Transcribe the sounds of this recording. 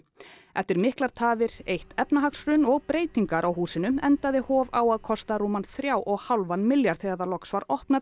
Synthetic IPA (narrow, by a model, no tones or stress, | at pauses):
ɛft̪ɪɾmɪhklaɾ̥t̪ʰaːvɪɾ̥ejht̪ɛpnaɦaksɾʏnɔɣpɾeːjt̪iŋkaɾʔawhuːsɪnʏmɛnt̪aðɪhɔːvawaðkʰɔst̪aɾuːmanθɾjaːwʔɔɣhawlvanːmɪljaɾ̥θejaɾðalɔksvaɾɔhpna